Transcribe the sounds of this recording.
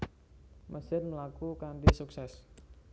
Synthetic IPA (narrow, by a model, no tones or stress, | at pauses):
mʔəsɪrməlakukandisuksɛs